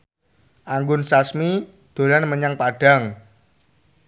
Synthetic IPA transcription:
ʔaŋɡʊnsasmi | d̪̥o̤lanməɲaŋpaɖ̥a̤ŋ

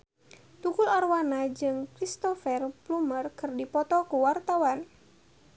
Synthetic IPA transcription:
t̪ukularwanad͡ʒɨŋkɾist̪ɔfɛrplumərkɨrdipɔt̪ɔkuwart̪awan

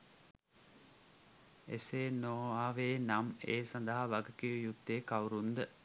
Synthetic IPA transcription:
eseːnoːaːʋeːnameːsand̪əɦaʋaɡəkijujud̪ːeːkawɾund̪ə

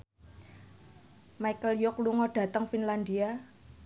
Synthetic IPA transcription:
majkəljʊkluŋɔɖ̥ä̤t̪əŋfinland̪ia

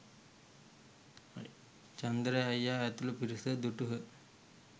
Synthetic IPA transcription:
t͡ɕɐnd̪ɾɐɐjːajat̪ulupiɾusəd̪uʈuɦə

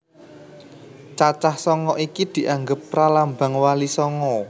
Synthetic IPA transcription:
t͡ʃat͡ʃahsɔŋɔʔikid̪̥i̤ʔaŋɡəpːɾalamba̤ŋwalisɔŋɔ

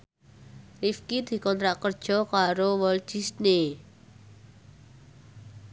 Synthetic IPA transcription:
rifkid̪̥i̤kɔnt̪ɾaʔkərd̥ʒ̥ɔ̤kaɾowɔlt͡ʃisne

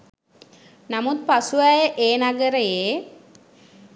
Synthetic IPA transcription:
namut̪̚pasuajəʔeːnaɡəɾəjeː

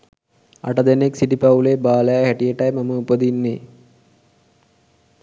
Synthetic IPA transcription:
a̰ʈəd̪eneksiʈipɐulebaːləjhæʈijeʈɐjmaməupəd̪inːe

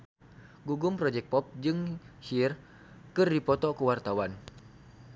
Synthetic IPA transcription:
ɡuɡumpɾɔd͡ʒɛk̚pɔp̚d͡ʒɨŋhir | kɨrdipɔt̪ɔkəwart̪awan

